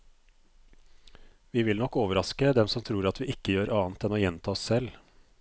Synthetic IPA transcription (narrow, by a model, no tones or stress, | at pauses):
ʋiːʋɪlnɔkːoːʋəɾɑskəd̪ɛmsɔmt̪ʰɾuːɾɑt̪ʰʋiːɪkːəjøːɾʔɑːnt̪ɛnoːjɛnt̪ʰɑːɔsːɛl